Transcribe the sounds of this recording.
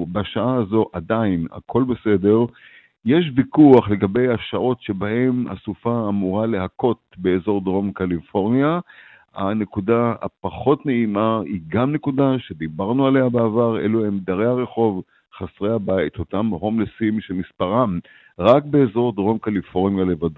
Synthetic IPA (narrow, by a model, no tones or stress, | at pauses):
baʃaaːzo̞ʔad̪aina̰kʰo̞lbe̞se̞de̞ʁ | jeʃ̬vikuaχle̞ɡabe̞jaʃaʔo̞tʃe̞bahe̞ma̰sufaːmuʁale̞ɦako̞t̪̚be̞ːzo̞ʁd̪ʁo̞mkalifo̞ʁnija | a̰ne̞kudaa̰paχo̞t̪neimaiɡamne̞kudaʃe̞d̪ibaʁnuale̞habeavaʁḛluemd̪aʁeaʁe̞χo̞v | χasʁeabait̪o̞t̪amho̞mlesimʃemispaʁam | ʁakbe̞ːzo̞ʁd̪ʁo̞mkalifo̞ʁnjale̞vad̪o